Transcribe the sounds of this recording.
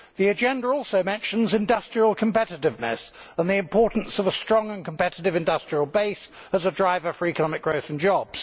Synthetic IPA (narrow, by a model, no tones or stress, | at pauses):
ðiɨd͡ʒɛ̃ndəɹɔˑlˠsəʊmɛ̃nʃə̃nzɪ̃ndʌstɹ̥iəlˠkʰə̃mpɛɾɨtɪvnə̰sə̃nðiɨ̃mpʰɔɹʔn̩səvəstɹ̥ɒ̃ŋə̃nkʰə̃m̩pɛɾɪɾɪvɨ̃ndʌstɹ̥iəlˠbeɪsəzədɹaɪvəfə˞ikənɒmɪk̚ɡ̥ɹəʊθn̩d͡ʒɒbz̥